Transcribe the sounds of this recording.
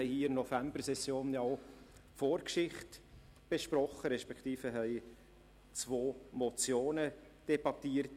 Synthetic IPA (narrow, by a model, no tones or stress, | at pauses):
ɛɪhiːɪɾnɔfæmbərsɛsjoːnjɑo | foːɾkʃɪχt | b̥eʃpɾɔχːəɾɛʃpɛkʰt̪iːfəɦɛɪ | t͡svoːmɔt͡sjoːnə | d̥ɛbɑtiːəɾt